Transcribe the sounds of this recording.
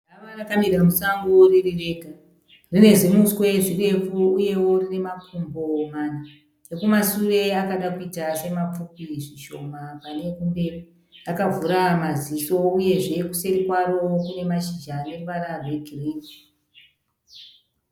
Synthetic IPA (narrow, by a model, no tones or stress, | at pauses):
aʋarakamiɾamusaŋɡoririre̞ka | rine̞zimuswe̞ʐire̞fuuje̞wo̞rine̞makumbo̞mana | ekumasure̞akaɗakuitase̞map͡fupiʐiʃo̞̰mapane̞kumberi | akavʱuɾamaziso̞uje̞ʐe̞kuse̞ɾikwaɾo̞kune̞maʃid͡ʒane̞mʋaɾarwe̞ɡʱirii